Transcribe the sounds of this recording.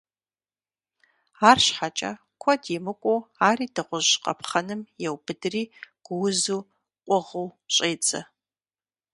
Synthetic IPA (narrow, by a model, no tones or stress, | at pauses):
aːrɕħat͡ʃʼɐ̰ | kʷʰɔdimɨkʷʼoaːriːdɨʁʷʊʒqɐ̰pʰχɐnɨmjɛwbɨdɨriːɡ̥ʷʊwʊzuː | qʷʼʊʁəwɕʼeːt͡sʼɐ̰